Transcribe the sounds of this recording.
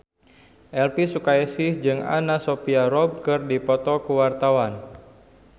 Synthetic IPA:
ʔɛlpisukaɛsɪhd͡ʒɨŋa̰nasopiaɾɔb̚kɨrdipɔt̪ɔkuwart̪awan

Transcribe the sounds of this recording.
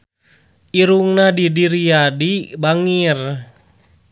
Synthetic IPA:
ʔiɾuŋnadidiɾiadibaŋir

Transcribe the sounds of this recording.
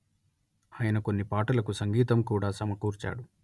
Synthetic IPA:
aːjɐnɐko̞nːipaːʈɐlɐkusɐŋɡiːt̪ɐmkuːɽaːsɐmɐkuːɾt͡ʃa̰ːɽu

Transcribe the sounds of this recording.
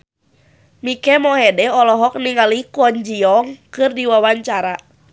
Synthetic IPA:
mikɛmɔɦɛdɛɔlɔɦɔk̚niŋalikɔɲd͡ʒiɔŋkɨrdiwawaɲt͡ʃaɾa

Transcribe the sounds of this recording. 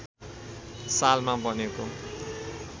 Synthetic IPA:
salmabʌneko

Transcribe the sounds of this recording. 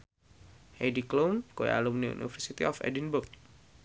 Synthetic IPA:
hediklonkoj̰a̰lumniṵnḭfərsit̪iɔfɛ̰dinbʊk̚

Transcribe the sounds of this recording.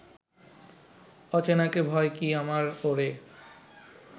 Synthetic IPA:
ɔt͡ɕenakebʱɔekiamaɾoɾe

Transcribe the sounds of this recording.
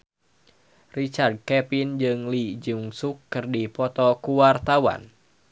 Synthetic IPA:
rit͡ʃard̪̚kɛpind͡ʒɨŋlid͡ʒuŋsukːɨrdipɔt̪ɔkuwart̪awa̰n

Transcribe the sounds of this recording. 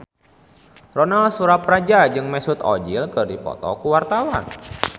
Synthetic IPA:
rɔnalsuɾaprad͡ʒad͡ʒɨŋmɛsut̪ɔ̰d͡ʒilkɨrdipɔ̰t̪ɔ̰kuwart̪awan

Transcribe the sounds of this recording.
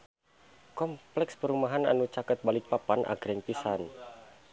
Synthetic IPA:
kɔmplɛkspəɾumaɦana̰nut͡ʃakət̪̚balɪk̚papanʔa̰ɡɾɛŋpisan

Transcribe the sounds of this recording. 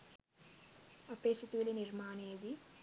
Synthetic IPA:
ɐpɾesit̪uliniɾmaːneːd̪i

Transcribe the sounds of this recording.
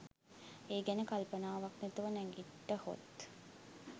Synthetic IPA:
eːɡænəkalpənaːʋaknet̪uʋənɛŋɡiʈːəho̰t̪

